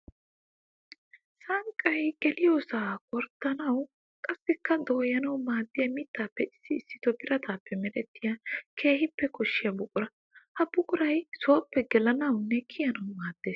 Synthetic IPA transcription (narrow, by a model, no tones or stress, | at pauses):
sɐŋkʼːɐjɡ̥ɛlɪjoːsaːkʼɔɾt̪ːɐnɐw | kʼɐsːɪkːɐd̪oːjɐnɐwmaːd̪ːɪjɐmɪt̪ːaːpːɛɪsːɪːsːɪt̪ɔbɪɾɐt̪ʰaːpːɛmɛlɛt̪ːɪjɐkʰe̞ːhɪpːɛkɔʃːɪjɐbʊkʼʊɾɐ | hɐb̥ʊkʼʊɾɐjsoːpːɛɡɛlɐnɐwnːɛkʰɪjɐnɐwmaːd̪̥ːe̞ːs